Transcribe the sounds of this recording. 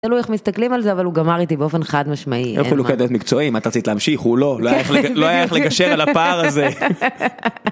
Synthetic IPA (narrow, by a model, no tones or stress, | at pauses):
t̪alujaχmist̪aklimalzeavaluɡamaʁit̪ibeo̞fe̞nχad̪maʃmaiḛuloed̪ajot̪mikt͡so̞imat̪aʁat͡sit̪leamʃiχhulo̞loajaeχleloajaeχleɡaʃeʁalapaʁaze